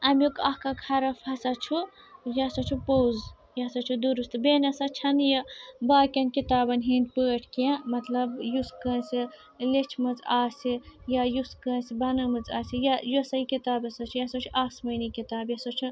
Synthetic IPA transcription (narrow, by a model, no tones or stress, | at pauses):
ɐmjukɐhkɐkhɐɾɐfhɐsɐt͡ʃʰu | jɐsɐt͡ʃʰupowz | jɐsɐt͡ʃʰud̪uɾust̪beːnɐsɐt͡ʃʰɐnjɐbaːkʲɐnʲkit̪aːbɐnʲɦind̪̚pəːʈʰkjãmɐt̪lɐbjuskəːnsʲi | let͡ʃʰmɐt͡saːsijajuskəːnsibɐnɐmɨt͡saːsijɐjosɐikit̪aːbɐsɐt͡ʃʰujɐsɐt͡ʃʰuʔaːsmɐjnikit̪aːbjɐsɐt͡ʃʰu